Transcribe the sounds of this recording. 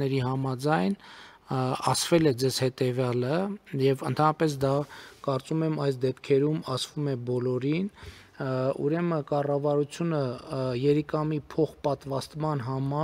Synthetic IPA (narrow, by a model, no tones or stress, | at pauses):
ɛɾiɦɑmɑd͡zɑjn | ɑ̰svɛlɛd͡zɛzhɛt̪ɛvjɑləjɛvənt̪ʰɑnɑpɛs̬d̪ɑkɑɾt͡sumɛmɑjsd̪ɛpʰkʰɛɾumɑsvumɛbɔlɔɾin | ṵɾɛməkɑrɑvɑɾut͡sʰjunəjɛɾikɑmipʰɔχpɑt̪vɑst̪mɑnɦɑmɑ